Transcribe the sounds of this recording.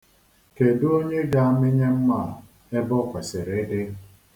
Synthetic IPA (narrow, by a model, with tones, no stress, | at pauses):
ke˨dʊ˦o˦ɲe˦ɡa˦˨a˦mɪ˦ɲe˦m̩˦ma˦˨ | e˦bɔ˦kʷa˨sɪ˨ɾe˨˦ʔɪ˦